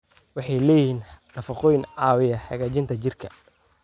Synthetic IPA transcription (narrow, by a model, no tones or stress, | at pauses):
wɑħɑjlɛːjɪiːnnɐfɐqɔjnʕɑːwɪjɐħɑɣaːt͡ʃɪnt̪ʰɐt͡ʃɪrkʰɐ